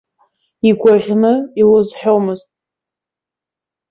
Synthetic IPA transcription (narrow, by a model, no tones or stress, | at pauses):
iɡʷaʁʲnɨilɨzħᶣomɨztʼ